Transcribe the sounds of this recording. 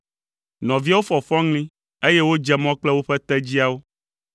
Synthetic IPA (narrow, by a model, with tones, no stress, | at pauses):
nɔ̃˨vi˦a˦wo˦fɔ˨fɔ˦ŋlĩ˦ | e˦je˦wo˦d͡ʒɛ˦mɔ̃˦k͡plɛ˦wo˦ɸɛ˦t̪ɛ˦d͡ʑi˦a˦wo˦